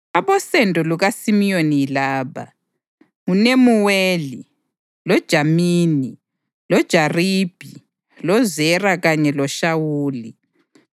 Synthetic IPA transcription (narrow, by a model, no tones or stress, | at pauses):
aβɔsɛndʱʼɔluɣasimijoniilaːβa̰ | ŋunemuweːli | lɔd̥ʒ̥ʱamiːni | lɔd̥ʒ̥ʱariːb̥ʱi | lɔzɛraɣaɲɛlɔʃawuːli